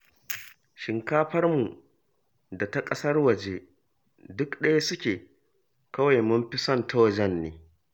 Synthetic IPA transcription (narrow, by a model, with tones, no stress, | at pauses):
ʃɪ˨ŋkaː˦ɸɐ˦rmu˨ | da˨ta˦kʼɐ˦sɐ˦rwɐ˨d͡ʒeː˦ | dʊ˦kɗɐ˦ja˦sʊ˦kʲeː˨ | kɐ˦wa˨jmʊ˦mɸɪ˦sɐ˦˨ntʰa˦wɐ˦d͡ʒɛ˦nːḛː˨˦